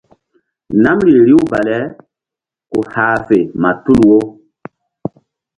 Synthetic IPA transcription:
na˦mɾi˨ɾi˦wba˨lɛ˦ | ku˨haː˨fe˨ma˨tu˦lwo˦

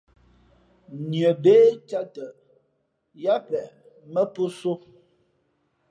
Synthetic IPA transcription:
njə˨be˦t͡ʃa˦tə˨ | ja˦pɛ˨ | mə˦pu˦so˦

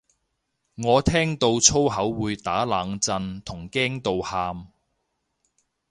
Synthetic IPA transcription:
ŋɔː˨˧t̪ʰɛː˥ŋt̪o˧wt͡sʰo˥wɦɐ˨˥wːuː˨˧jt̪aː˨˥laː˨˧ŋt͡sɐ˧nt̪ʰʊ˨˩ŋkɛː˥ŋt̪o˨˧whaː˧m

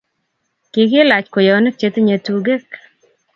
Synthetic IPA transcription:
kɪ˨kɪ˦la˨t͡ʃko˨jɔ˨˦nɛ˦k̚t͡ʃe˦t̪ɲa˨tu˨ɡe˦k

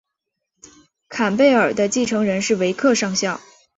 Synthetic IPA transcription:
kʰa˨˩npe˥˩ɪə˞˨˩d̪ə˦t͡ɕi˥˩ʈ͡ʂʰɤ˧˥ŋɻə˧˥nʂɻ̩˥˩we˧˥ɪkʰɤ˥˧ʂɑ˥˧ŋɕjɑ˥˩ʊ

